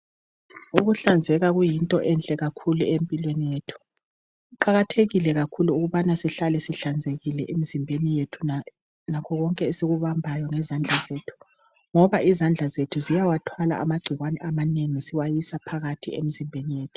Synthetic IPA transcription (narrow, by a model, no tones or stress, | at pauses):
uɣuɬand͡zʱɛɣaɣujintʼɔʔɛnt͡ɬʼɛɣakʰuluempʼilwenijetʰu̥ | uǃaɣatʰeɣilɛɣakʰuluːɣuβanasiɬalɛsiɬand͡zʱeɣilɛʔem̩zimbʱenijetʰu | nakʰɔɣɔŋkʼɛesiɣuβambʱajɔŋɛzand͡ɮʱazeːtʰu̥ | ŋɔβaʔizand͡ɮʱazetʰuzijawatʰwala̰ʔamaɡ͡ǀʱiɣwanɛʔamaneŋisiwajisapʰaɣatʰḭḛmizimbʱenijeːtʰu̥